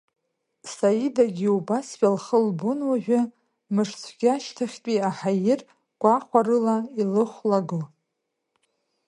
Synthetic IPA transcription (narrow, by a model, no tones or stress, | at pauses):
sajidaɡʲiubasħalχəlbʊnwaʒᶣʷa | mɨʂt͡sʷʰɡʲaʃtʰaχʲtʼiaħajɪr | ɡʷaχʷarɨlailɨχʷlaɡo